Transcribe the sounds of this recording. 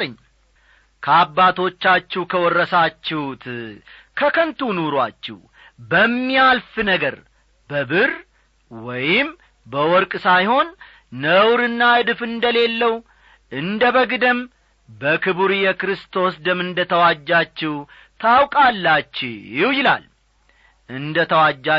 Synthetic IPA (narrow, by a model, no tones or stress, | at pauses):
t̪ʼəɲː | kʰəabːat̪ʰo̞t͡ʃːat͡ʃːɛwkʰəwɔrːəsat͡ʃːɛht̪ʰ | kʰəkʰənt̪unoɾwa̰t͡ʃːɪw | bəmːialfɨnəɡəɾ | bəbɨr | wɔjɪm | bəwɔɾkʼsajho̞nː | əwɾɨnːaɨd̪ɨfɨnd̪əle̞lːəw | ʔɨnd̪əβəɡɨd̪əm | bəkʰɨβuɾjɛkɾɨst̪ʰo̞sd̪əmɨnd̪ət̪ʰəwad͡ʒːat͡ʃːɪw | t̪ʰawkʼalːat͡ʃːɪjɪwjɪla̰l | ʔɨnd̪ət̪ʰəwad͡ʒːa